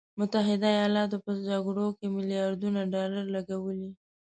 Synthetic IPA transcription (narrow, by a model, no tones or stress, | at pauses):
mʊt̪aɦɪd̪aajɑlɑt̪opəd͡ʒaɡɽokemɪlijɑɾd̪unaɖɑlaɾlaɡawəli